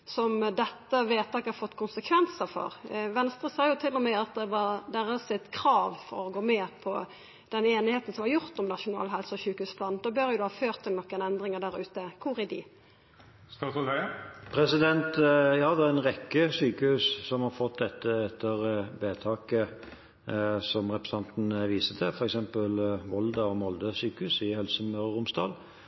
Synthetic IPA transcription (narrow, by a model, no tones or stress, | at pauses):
sɔmd̪ɛt̪ːəʋeːt̪ʰɑːkəhɑɾfɔt̪ːkʰʊnsəkʰʋɛnsəfɔ̰ɾʋɛnst̪ɾəsɑɪjʊt̪ʰɪlːɔmɛɑt̪̚d̪ɛʋɑɾd̪æʁəsɪt̪kʰɾɑːʋfɔ̰ɾɔɡoːmeːpʰɔ | d̪̥ɛneːnɪheːt̪n̩sɔmhɑɾjʊɾt̪ɔmnɑʂʊnɑ̰ːlɦɛlsəɔsʉːkəhʉːspʰlɑnd̪ɔbœɾjʊd̪ʊhɑːføːɾt̪ʰːɪlnɔkːəɛnɛnd̪ʁɪŋəd̪æɾʉːt̪əkʰʊɾɪd̪ɪ̰ | st̪ɑt̪ | pʰɾɛsɪd̪ɛnt̪jɑːd̪ɛɛʁɛnʁɛkːəsyːkəhʉːssɔmhɑɾfɔt̪̚d̪ɛt̪ːəɛt̪ʰːəɾbeːt̪ʰɑːkə | sɔmʁɛpɾəsɑnt̪n̩ʋiːsət̪ʰɛfɔɾɛksɛmpəlʋɔld̪əɔmɔld̪əsyːkəhʉːsɪhœlsəmøɾʁʊmsd̪ɑ̰ːl